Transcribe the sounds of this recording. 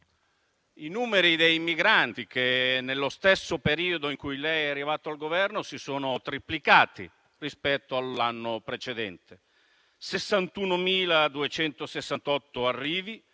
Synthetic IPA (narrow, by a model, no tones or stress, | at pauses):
inuːmeɾid̪ejmiɡɾant̪ik̟enːelːost̪esːopeɾiːod̪oiŋkujlɛjɛarːivaːt̪oalɡovɛrnosisoːnot̪ɾiplikaːt̪ḭ | rispɛt̪ːoalːanːopɾet͡ʃed̪ɛnt̪e | sesːant̪unomiːlad̪uet͡ʃɛnt̪osesːant̪ɔt̪ːoarːiːvi